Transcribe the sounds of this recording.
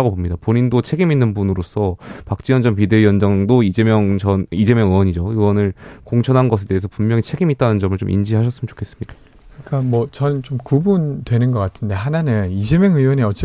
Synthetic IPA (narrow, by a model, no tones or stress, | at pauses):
aɡobomɲidapoɲindot͡ɕʰe̞ɡiminːɯnbunɯɾosʰʌpak̚t͡ɕ͈ijʌnd͡ʑʌnp̬ide̞ijʌnd͡ʑaŋdoid͡ʑemjʌŋt͡ɕʌnid͡ʑe̞mjʌŋɯwʌɲid͡ʑoiʌnɯɭkoŋt͡ɕʰʌnɦanɡʌs̬ʰe̞de̞ːesʰʌpummjʌŋit͡ɕʰe̞ɡimit̚t͈anɯnd͡ʑʌmɯɭt͡ɕomʔḭnd͡ʑiɦaɕ̬ʰʌs͈ɯmnt͡ɕo̥kʰe̞s͈ɯ̥mɲida | kɯik͈amwʌt͡ɕʌnnt͡ɕomkubuntwe̞nɯnɡʌk͈atʰɯnde̞ɦananɯnis̬ʰemjʌŋɯwʌneʌt͡ɕ͈